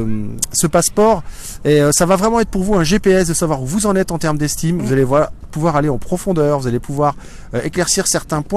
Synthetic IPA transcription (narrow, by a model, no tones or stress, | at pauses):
səpaspɔʁ | eøsavavʁɛmɑ̃ɛt̪χpuʁvuɛ̃ʒepeɛsd̪əsavwaʁuvuzɑ̃nɛt̪ɑ̃t̪ɛʁmd̪ɛst̪imvuzaleapuvwaʁaleɑ̃pχɔfɔ̃d̪œʁvuzalepuvwaʁ | eklɛʁsiʁsɛʁt̪ɛ̃pwɛ̃